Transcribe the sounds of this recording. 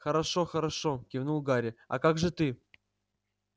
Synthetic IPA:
xəɾɐʂoxəɾɐʂokʲɪvnulˠɡaɾʲɪa̰kaɡʐɨt̪ɨ

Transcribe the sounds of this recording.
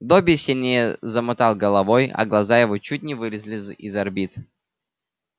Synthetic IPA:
d̪obʲɪsʲɪlʲnʲejəzəmʊt̪alˠɡəlˠɐvojɐ̰ɡlˠɐzajɪvot͡ɕut̚ʲnʲɪvɨɾʲɪzʲlʲɪzizɐrbʲit̪

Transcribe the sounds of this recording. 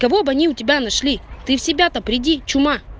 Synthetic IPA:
kɐvobɐnʲiʊtʲɪbʲanɐʂlʲit̪ɨfsʲɪbʲat̪ɐpɾʲɪdʲit͡ɕʊma

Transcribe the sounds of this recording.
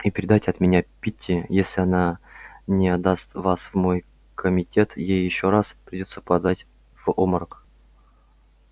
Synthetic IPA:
ipʲɪɾʲɪd̪atʲɐt̪mʲɪnʲapʲitʲʰːɪjesʲlʲɪɐnanʲɪɐd̪ast̪vasvmo̞j | kʰəmʲɪtʲe̞t̪jejɪɕːoɾaspɾʲɪdʲo̞t̪səpɐd̪atʲ | v̥oməɾk

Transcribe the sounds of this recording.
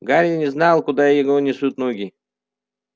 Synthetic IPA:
ɡaɾʲnʲɪznɑlˠkʊd̪ajɪɡonʲɪsut̪noɡʲɪ

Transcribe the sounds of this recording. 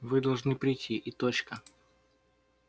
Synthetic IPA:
vɨd̪ɐlˠʐnɨpɾʲɪjtʲʰːiʔɪt̪ot͡ɕkə

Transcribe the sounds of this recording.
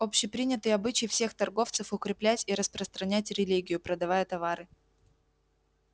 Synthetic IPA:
o̞pɕɪpɾʲinʲɪt̪ɨjɐbɨt͡ɕɪjfsʲe̞xt̪ɐrɡo̞ft̪sɨfʊkɾʲɪplʲætʲiɾəspɾəst̪ɾɐnʲætʲɾʲɪlʲiɡʲɪjʊpɾəd̪ɐvajət̪ɐvaɾɨ

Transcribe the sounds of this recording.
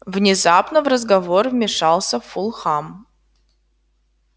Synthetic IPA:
vnʲɪzapnəvrəzɡɐvorvmʲɪʂalˠsʲəffʊlˠxam

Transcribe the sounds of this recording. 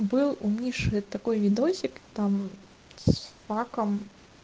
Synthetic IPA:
bɨlˠumʲnʲiʂɨt̪akɔjvʲid̪ɔsʲikt̪am | sfakɐm

